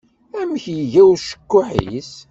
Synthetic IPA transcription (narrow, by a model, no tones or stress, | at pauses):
æmçjəʝæwʃə̥kːʊħḭs